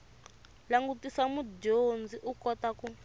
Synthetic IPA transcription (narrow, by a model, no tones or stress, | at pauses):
laŋɡutisamudond͡ziʔukɔtaku